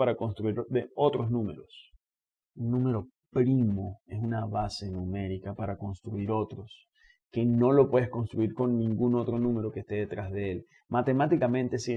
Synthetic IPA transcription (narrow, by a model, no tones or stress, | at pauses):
aɾako̞nst̪ɾuiɾðeo̞t̪ɾoznũme̞ɾo̞s | unːũme̞ɾo̞ | pɾimo̞e̞sunaβase̞nume̞ɾikapaɾako̞nst̪ɾuiɾo̞t̪ɾo̞s | ke̞no̞lo̞pwe̞ðehko̞nst̪ɾuiɾko̞nːĩŋɡuno̞t̪ɾo̞nũme̞ɾo̞kest̪e̞ðe̞t̪ɾazðeel | mat̪e̞mat̪ikamẽnt̪e̞si